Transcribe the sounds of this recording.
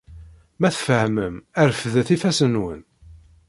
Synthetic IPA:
mæθfəhməmæɾfəðθifæsənwə̰n

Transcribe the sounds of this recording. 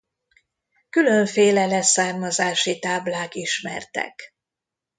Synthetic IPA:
kylø̞ɱfeːlɛlɛsaːrmɒzaːʃit̪aːblaːkiʃmɛ̰rt̪ɛ̰k

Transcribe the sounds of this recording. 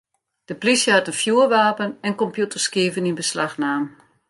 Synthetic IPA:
d̥əplisjəhatənfjuərʋaːpənɛnkɔmpjutərskiəvəninbəslaxnaːm

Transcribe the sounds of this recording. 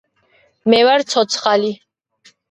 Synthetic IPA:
mɛvaɾt̪sʰɔt̪sʰχali

